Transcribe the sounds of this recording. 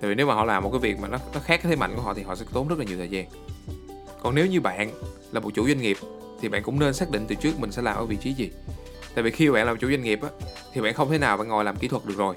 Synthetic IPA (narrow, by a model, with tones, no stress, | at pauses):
t̪a̰ː˧˨vi˨˩ne˨˦wmaː˨˩hɔ̰˧˨laː˨˩m˨˩t̚kaː˨˦jvi˨˩ək̚maː˨˩nɔ˨˦nɔ˨˦xaː˦˥k̚aː˧˦t̪e˨˦ma̰˧˨ŋku˧˩˦ɔ̰˧˨i˨˩ɦɔ̰˧˨sɛ̰˧˥t̪o˨˦nzə˦˥t̚laː˨ɲi˨˩wt̪ʰːzaː˧n | kɔ˨˩nne˨˦wɲɨ˧ɓa̰ː˧˨nlaː˨˩mo˨˩t̚t͡ɕu˧˥zwa˧jŋ̟ŋi˨˩əp̚ | t̪ʰi˨˩ɓa̰ː˧˨nkʊ̰˧˥ŋ͡mne˧nsaː˦˥k̚ɗḭ˧˨ŋt̪ɨ˨˩t͡ɕɨ˦˥ək̚mï˨˩ŋ̟sɛ̰˧˥laː˨˩mʔəː˨˦˩vḭ˧˨t͡ɕi˨˦zi˨˩ | t̪a̰ː˧˨vi˨˩xi˧ɓa̰ː˧˨nlaː˨˩˨t͡ɕu˧˥˦za˧ŋi˨˩əp̚ʔaː˨˦t̪ʰi˨˩ɓa̰ː˧˨nxə˧wŋ͡mt̪ʰe˨˦naː˨˩wɓa̰ː˧˨ŋɔ˨˩jlaː˨˩mki˧˥t̪ʰwt̚ɗɨ˨˩ək̚zo˨˩j